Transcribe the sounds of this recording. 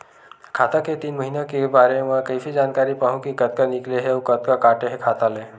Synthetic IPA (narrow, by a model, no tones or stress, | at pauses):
kʰaːt̪aket̪iːnməɦinãkebaːɾeʋãkəifid͡ʒaːnkaːɾipaɦũkikət̪̚kanikleɦeokət̪̚kakaːʈeɦekʰaːt̪aleː